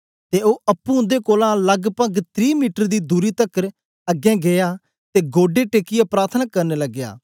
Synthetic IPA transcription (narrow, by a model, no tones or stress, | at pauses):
t̪eːoːəpːũːd̪ekoːlãləɡpəɡt̪ɾiːmiːʈəɾd̪iːd̪uːɾiːt̪əkːəɾ | ɐɡɛ̃ːɡejaː | t̪eːɡoːɖeʈeːkɪjaːpɾaːɾt̪ʰnaːkəɾneləɡɪja̰ː